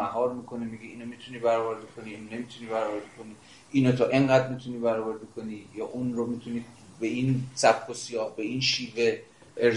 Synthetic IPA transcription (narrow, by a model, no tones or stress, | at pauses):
æɦɒːɾmiːkʰo̞nimiɡiiːnomit̪ʰuniːbæɾɒboɾd̪ekʰoniːnne̞miːt̪ʰuniːbæɾɒːvoɾd̪ekʰo̞niː | ʔiːnot̪ʰɒːʔeŋɢæːd̪mit̪ʰuniːbæɾɒːboɾd̪ikʰoniːjɒːʔunɾomit̪ʰuniː | beʔinsæb̥kʰosijɒːbe̞iːnʃiːve̞ | e